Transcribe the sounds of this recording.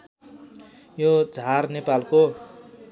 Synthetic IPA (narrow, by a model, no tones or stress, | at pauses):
jod͡zʱarnepalko